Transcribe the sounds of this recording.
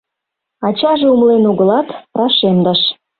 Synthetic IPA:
ɑt͡ɕɑʒĕumlenuɣə̆lɑt̪rɑʃemd̪ɑʃ

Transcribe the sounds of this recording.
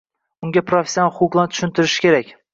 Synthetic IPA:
ʊŋɡʲapɾofʲe̥sʲːjonalˠhʊqʊqlˠant̪ʰʊ̥ʃɪnt̪ɪɾɪʃɪ̥kʲʰe̞ɾakʲ

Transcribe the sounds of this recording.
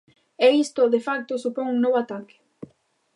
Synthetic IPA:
ɛist̪oʊðefak̚t̪osupoŋuŋnoβoat̪akɪ̥

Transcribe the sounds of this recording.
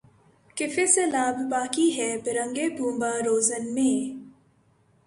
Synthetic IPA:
kɪfeselaːbbaːkiɦɛbɪɾə̃ŋɡeːbʱũːmbaːɾoːzənmẽː

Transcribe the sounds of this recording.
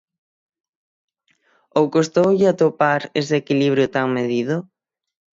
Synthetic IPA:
owkost̪owʎɪat̪opaɾeseːkiliβ̞ɾjʊt̪aŋmeðiðʊ

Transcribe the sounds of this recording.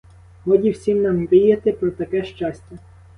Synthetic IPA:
ɦɔdʲiwsʲimnɑmʋɪjɐt̪ɪpɾɔt̪ɐkɛʃt͡ʃɑsʲtʲɛ

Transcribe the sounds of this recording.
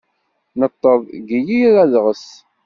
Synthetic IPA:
nət̪ˤːəðˤɡijiɾæðʁəs

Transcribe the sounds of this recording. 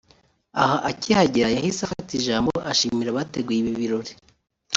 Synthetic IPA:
ahaʔacihaɟeɾajahisafatiʒaːmboʔaʃimiɾaβateɡweβiβiɾoɾe

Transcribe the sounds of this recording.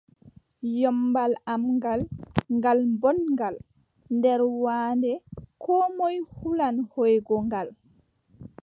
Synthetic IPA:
jɔmbalamŋɡalŋɡalbɔnŋɡal | ndɛɾwaːndɛkʰɔmɔjhulanhɔjɡɔŋɡal

